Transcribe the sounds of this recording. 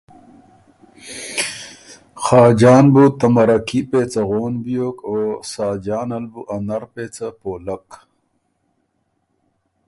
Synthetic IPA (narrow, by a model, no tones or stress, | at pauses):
xɑːd͡ʑaːnbut̪ɐmɐɾɐkipeːt͡sɐɣoːnbijoːkoːsaːd͡ʑaːnɐlbuʔɐnɐɾpeːt͡sapoːlɐk